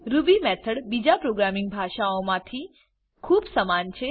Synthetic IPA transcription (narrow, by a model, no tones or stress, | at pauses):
ɾubimɛt̪ʰəɽbid͡ʒapɾoɡɾamĩŋɡ̚bʱaʃaomãt̪ʰi | kʰuːbsəmant͡ʃʰe